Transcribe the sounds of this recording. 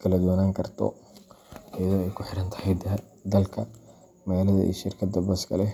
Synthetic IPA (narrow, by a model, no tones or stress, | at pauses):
kʰɐlɐd̪uwɐnaːŋkʰɐrt̪ʰɔ̰ | ɐjɐðɔːɛjkʰʊħɪɽɐnt̪ʰɐ̥hɛj̪ɐ | d̪ɐlkʰɐ | mɐɣaːlɐðɐ̰ʔḭːʃɪrkʰɐd̪ːɐbɐskʰɐ̰lɛ